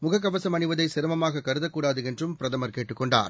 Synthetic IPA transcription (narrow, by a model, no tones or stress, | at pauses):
mʊɣɐk̬ːɐʋɐsɐmɐnɯʋɐðɐɪsɪɾɐmɐmaːɣɐkːɐɾɯðɐkːuːɽaːðɯɛndrɯmpɪɾɐðɐmɐɾkeːʈːɯkːɔɳɖa̰ːɾ